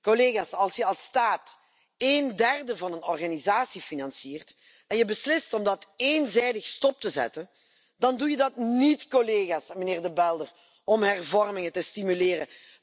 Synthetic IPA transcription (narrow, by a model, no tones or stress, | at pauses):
koleːɣaːsɑlˠsjəɑlˠstaːt | eːndɛrdəvɑnənɔrɣaːnizaːsifinɑnsiːrt | ɛnjəbəslɪstɔmdɑteːnzɛjdəxstɔp̚təzɛ̰tən | dɑndujədɑtnitkoleːɣaːsməneːrdəbɛlˠdər | ɔmɦɛrvɔrmɪŋətəstimyleːɾə